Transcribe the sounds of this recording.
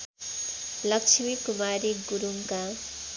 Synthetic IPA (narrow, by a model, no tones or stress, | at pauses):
lʌk̚t͡ʃʰimikumaɾiɡuɾuŋka